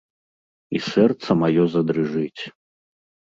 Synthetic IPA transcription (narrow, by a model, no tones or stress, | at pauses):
isɛrt̪sɐmajɔzɐd̪ɾɨʐɨt͡sʲ